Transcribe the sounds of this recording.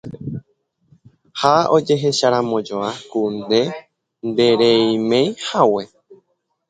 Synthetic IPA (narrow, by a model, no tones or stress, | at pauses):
haod͡ʒe̞ɦe̞ʃaɾãmõd͡ʒõakund̪e̞ | nd̪eɾejmẽjhawe